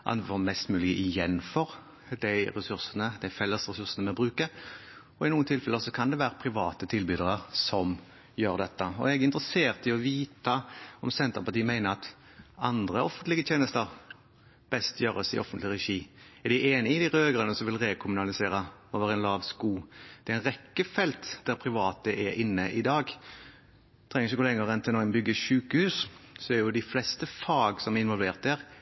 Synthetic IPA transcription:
ʔɑ̰nfɔmɛst̪mʉːlɪəʔɪjɛnːfɔɾ | d̪æɪɾɛsʉɾsənəd̪æɪfɛlːəsɾɛsʉɾsənəmɛbɾʉːkəɾ | ɔɪnuːənt̪ʰɪlfɛlːəsɔkʰɑnd̪ɛʋæːɾəpʰɾɪʋɑːt̪ət̪ʰɪlbyːd̪əʁəɾsɔm | jøːʁd̪ɛt̪ːəɔ̰ɛɡɪnt̪ʁəseːʁt̪əɪɔʋiːt̪ɑɔmsɛnt̪əʁpɑt̪iːmæɪnəɾɑt̪ | ɑnd̪ʁəɔfənt̪lɪɡət̪ʰjeːnəst̪əɾ | b̥ɛst̪jøːɾəsɪ̰ʔɔ̰fːənt̪lɪʁɛʃiːɛʁd̪ɪʔeːnəɪd̪ɪʁøːɡəʁənəsɔmʋɪlʁekʰʊmʉnɑlɪseːɾəoːʋəʁɛnlɑːʋskuːd̪̥ɛɛɪnʁɛkːəfɛlt̪d̪̥æʁpʰɾɪʋɑːt̪əʔɛɾʔɪnːəʔɪd̪ɑːɡ | t̪ʰʁɛŋəɾɪçəkʊlɛŋːəʁɛnt̪ʰɪlɔmbʏɡːəʃʉːkəhʉːssɔɛɾjʊd̪ɪflɛst̪əfɑːɡsɔmæɪnʋɔlʋeːʁt̪̚d̪æʁ

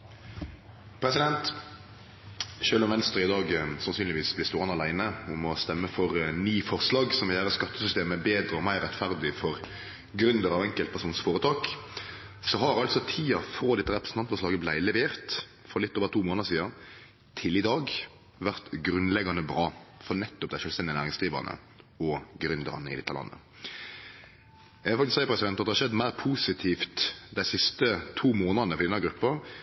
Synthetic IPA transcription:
pʰɾɛsɪd̪ɛnt̪ | ʃøːlʊɔmʋɛnst̪ɾɪɪd̪ɑːɡsɑnsyːnlɪʋiːsblɪst̪oːʁɑnɑlæɪnəʊmɔst̪ɛmːəfɔɾnyːfɔʁslɑːɡsɔmʋɛjæːʁəskɑt̪ːəsʏst̪eːməbeːd̪ɾəɔmæɪʁɾɛt̪fæʁd̪ɪfɔʁ | ɡɾʉnd̪əɾɑʋɛŋkəlt̪pæʁʂuːnsfoːɾət̪ʰɑːk | sɔɦɑɾɑlt̪sɔt̪ʰiːɑfɾoːd̪ɛt̪ːəʁɛpɾəsn̩ɑnt̪fɔʁslɑːɡəblæɪlɛʋeːʁt̪ | fɔlɪt̪ːoːʋəɾt̪ʰuːmoːnəsiːɑ | t̪ʰɪlɪd̪ɑːɡ | ʋæʁt̪ɡɾʉnlɛɡɑnəbɾɑːfɔnɛt̪ːʊp̚d̪æɪʃœːlst̪ɛndɪənæːɾɪŋsɡ̪iːʋə̰ʁnə̰ | ɔɡɾʉnd̪ə̰ɾɑ̰nəɪ̰d̪ɛt̪ːəlɑ̰nːə̰ | jæʋɛlfɑkt̪ɪsæɪəpɾʁɛsɪd̪ɛnɑt̪əhɑʂʃɛd̪ːmæɪʁpʰuːsɪt̪ʰiːft̪d̪æɪsɪst̪ət̪ʰuːmoːnənəɔɾɪɛnɑɡɾʉpːəɾ

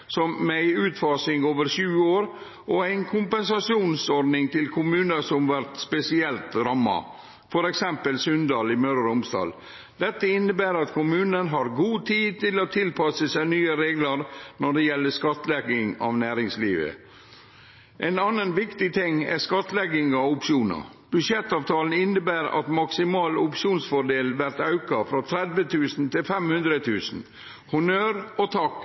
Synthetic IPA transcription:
sɔmmæɪʉːt̪fɑːsɪŋoːʋəɾʃʉːəoːɾ | ʔɔæɪnkʰʊmpɛnsɑsɪuːnsɔɾɖ̪nɪŋt̪ʰɪlkʰʊmʉːnəsɔmʋæɾt̪spɛsɪɛlt̪ɾɑmːɑ̰ | fɔɾɛksɛmpəlsœnd̪ɑːlɪmœɾɾʊmsd̪ɑ̰ːl | d̪̥ɛt̪ːəɪnːəbæːɾɑt̪kʰʊmʉːnənɦɑɾɡuːt̪ʰiːd̪̚t̪ɪloːt̪ʰɪlpʰɑsəsæɪnyːəɾeːɡləɾnɔɖɛjɛlːəskɑt̪lɛɡɪŋɑ̰ʋnæːɾɪŋsliːʋə̰ | ʔɛnɑnənʋɪkt̪ɪt̪ʰɪŋːɛ̰skɑt̪lɛɡɪŋɑʋʊpʃuːnɑ̰ | b̥ʉʃjɛt̪ːɑːʋt̪ʰɑːln̩ɪnːəbæːɾɑ̰t̪mɑksɪmɑːlʊpʂuːnsfɔɖeːlʋæɾt̪ɑʉkɑfɾɑt̪ʰɾɛd̪ʋət̪ʰʉːsn̩t̪ʰɪlfɛmhʉnd̪ɾət̪ʰʉːsn̩ | hʊnøːɾɔt̪ʰɑk

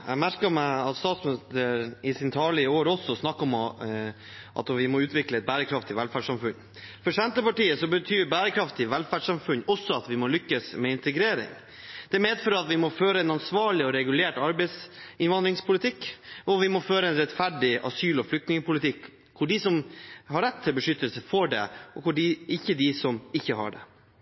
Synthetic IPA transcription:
ɛ̰mæɾkəmæɪɑt̪st̪ɑːt̪smnɪst̪əɾɪsɪnt̪ʰɑːɭɪəoːɾɔsːɔsnɑkːɔm | ʔɑ̰t̪ʋɪmɔʉːt̪ʋɪkləɛt̪̚bæːɾəkʰɾɑft̪ʰɪʋɛlfæːɖʂɑmfʉɲː | fɔʂɛnt̪əpɑʈiːəsɔbət̪ʰyːɾbæːɾəkʰɾɑft̪ɪʋɛlfæːɖʂɑmfʉɲːɔsːɔɑt̪ʋɪmɔlʏkːəsmɛɪnt̪əɡɾeːɾɪ̰ŋ | d̪̥ɛæmeːd̪føːɾɑt̪ʋɪmɔføːɾəɛnɑnsʋɑːɭɪɔɾɛɡʉleːʈɑɾbɛɪsɪnʋɑnd̪ɾɪŋspʰʊlɪt̪ʰɪkːɔʋɪmɔføːɾəɛnɾɛt̪fæɖɪʔɑ̰syːlɔflʏk̚t̪nɪŋəpʊlɪt̪ʰɪkʰː | ʊɖɪsɔmɦɑɾɛt̪ʰːɪlbəʂʏt̪ːəlsəfɔɖɛ̰ɔkʊɖɪʔɪçːəd̪ɪsɔmɪçːəhɑ̰ɖɛ̰

